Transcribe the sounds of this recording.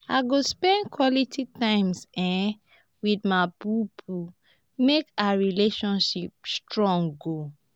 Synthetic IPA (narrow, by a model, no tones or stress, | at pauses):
a̰ɡospɛ̃ndkʰwɔlitʰitãɪ̃msɛ̃ | widmabupʰu | mekaɹileʃɔ̃nʃip̚stɹɔ̃ŋɡo